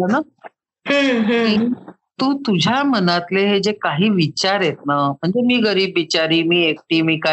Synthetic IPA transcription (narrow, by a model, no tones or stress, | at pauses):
ləna | ɦi | t̪ũːt̪ud͡ʑʱjamənat̪leɦed͡ʑekaɦiːʋit͡ɕaɾjet̪̚nam̤əɳd͡zemiːɡəɾiːbːit͡ɕaɾiːmiːek̚ʈiːmiːka